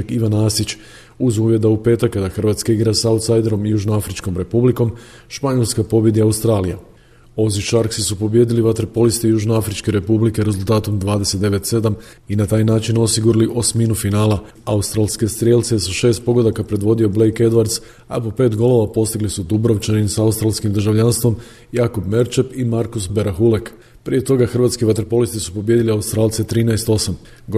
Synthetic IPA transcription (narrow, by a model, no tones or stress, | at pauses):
kiʋanaːsit͡ʃ | uzuːʋje̞d̪aupe̞ːt̪akːad̪axr̩ʋat̪skaiɡɾasaut̪sajd̪e̞ɾo̞mjuʒnoafɾit͡ʃko̞mɾe̞publiko̞m | ʃpaɲo̞lskapo̞bje̞d̪iaust̪ɾaːlija̰ | o̞ziʃaɾksisupo̞bje̞d̪iliʋat̪eɾpo̞list̪ejuʒneafɾit͡ʃke̞ɾe̞publike̞ɾe̞zulˠt̪aːt̪o̞md̪ʋaːd̪e̞se̞t̪d̪e̞ʋe̞t̪se̞d̪am | inat̪aːjnaːt͡ʃino̞siɡuɾaliʔo̞sminufinaːla | aust̪ɾaːlˠske̞st̪ɾjelʲt̪sesaʃe̞ːst̪̚po̞ɡo̞d̪akapɾe̞d̪ʋo̞d̪io̞ble̞jke̞d̪ʋaɾd̪s | a̰pope̞ːt̪ɡo̞lˠo̞ʋapo̞st̪iɡlisud̪ubɾoʋt͡ʃenimsaust̪ɾalskimd̪ɾrʒaʋʎanst̪ʋo̞m | jaːkobme̞ɾt͡ʃepimaɾkusbeɾaxulek | pɾije̞t̪o̞ɡaxr̩ʋaːt̪skiʋat̪eɾopo̞list̪isu̥po̞bje̞d̪iliaust̪ɾaːlt̪se̞t̪ɾiːnaest̪o̞sam